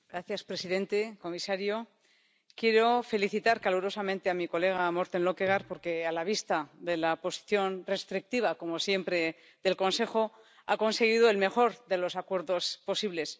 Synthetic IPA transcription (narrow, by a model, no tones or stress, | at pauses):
ɡɾaθjaspɾe̞siðe̞nt̪e̞ko̞misaɾjo̞ | kje̞ɾo̞fe̞liθit̪aɾkaluɾo̞samẽ̞nt̪eamiko̞le̞ɣ̞amo̞ɾt̪e̞nlokeɣaɾpo̞ɾke̞alaβ̞ist̪aðe̞lapo̞si̥θjo̞nre̞st̪ɾik̚t̪iβako̞mo̞sje̞mpɾe̞ | ðe̞lko̞nse̞xo̞ | a̰ko̞nse̞ɣ̞iðoe̞lme̞xo̞ɾðe̞lo̞sakwe̞ɾðo̞spo̞siβle̞s